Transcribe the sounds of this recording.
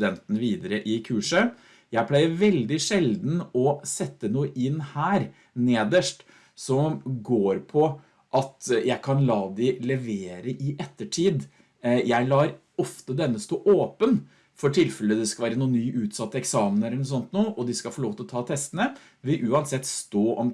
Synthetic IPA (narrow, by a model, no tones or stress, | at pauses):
d̪ɛnt̪ənəʋiːd̪əɾəʔɪkʰʉːʂə | jæɪpʰlæɪəɾʋɛld̪ɪʂɛld̪n̩ɔsɛt̪ːənuːəʔɪnːhæːɾ | neːd̪əʂʈ | sɔmɡoːɾpʰɔ | ʔɑt̪jæɪkʰɑnlɑːd̪ɪlɛʋeːɾəʔɪʔɛt̪ːəʈʰiːd̪ | jæɪlɑːɾ | ɔft̪əd̪ɛnːəst̪oːʔoːpən | fɔʈʰɪlfɛləd̪ɛskɑʋæːɾənuːnːyːʔʉːt̪sɑt̪ːəɛksɑːmənɛlːəɳɔsɔnt̪nuːəʔɔd̪ɪskɑfɔɭoːʋt̪ʰɪlɔt̪ʰɑːt̪ʰɛst̪ənə | ʋɪʔʉːɑnsɛt̪ːst̪oːɔm